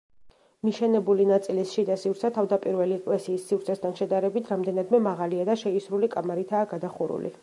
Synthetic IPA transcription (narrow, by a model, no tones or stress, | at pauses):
miʃɛnɛbulinat̪sʼilisʃid̪asivɾt̪sʰɛt̪ʰavd̪apʼiɾvɛliɛkʼlɛsiːsːivɾt̪sʰɛst̪ʰanʃɛd̪aɾɛbit̪ʰɾamd̪ɛnad̪mɛmaʁaliad̪aʃɛisɾulikʼamaɾit̪ʰaːɡad̪aχuɾṵlḭ